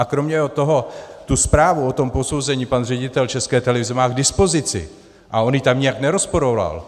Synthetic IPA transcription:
akɾo̞mɲɛjɦot̪o̞ɦo̞t̪uspɾaːvuo̞t̪o̞mpo̞so̞wzɛɲiːpanr̝ɛɟɪt̪ɛlt͡ʃɛskɛːt̪ɛlɛvɪzɛmaːɡdɪspo̞zɪt͡sɪ̰ | ʔao̞njiːt̪amɲɛjaknɛɾo̞spoɾo̞va̰l

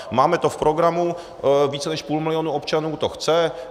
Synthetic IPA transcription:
maːmɛt̪ofpɾoɡɾamu | viːt͡sɛnɛʃpuːlmɪlɪonuopt͡ʃanuːt̪oxt͡sɛ

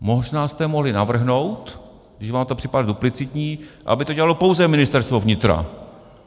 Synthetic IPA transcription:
mo̞ʒnaːst̪ɛmoɦlɪnavr̩ɦno̞wt̪ | ɡdɪʃvaːmt̪opr̝̥ɪpadaduplɪt͡sɪt̪ɲiːʔa̰bɪt̪oɟɛlalopo̞wzɛmɪnɪst̪ɛɾst̪vovɲɪt̪ɾa̰

